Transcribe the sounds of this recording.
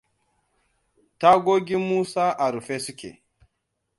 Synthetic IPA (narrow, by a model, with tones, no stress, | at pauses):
ta˦ɡo˦ɡi˦mu˦sa˦ʔa˨ɾu˨fe˦su˦kʲḛ˨